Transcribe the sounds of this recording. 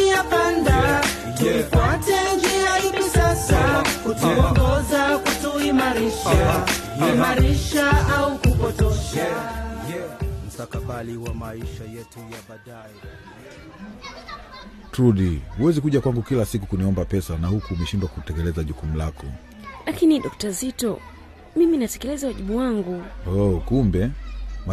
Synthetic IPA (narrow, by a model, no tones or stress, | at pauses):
ijapanda | tuifwatɛnd͡ʒiahivisasakutuɔŋɡɔzakutuimaɾiʃaimaɾiʃaaukupɔtɔʃa | m̩sakaɓaliwamaiʃajɛtujaɓaɗajɛ | tɾuɗihuwɛzikuʄakwaŋɡukilasikukuniɔmbapɛsanahukuːmɛʃimbakutɛkɛlɛzaʄukum̩lakɔ | lakiniɗɔk̚tazitɔ | miminatɛ̥kɛlɛzawaʄiɓuwaŋɡuɔkumbɛma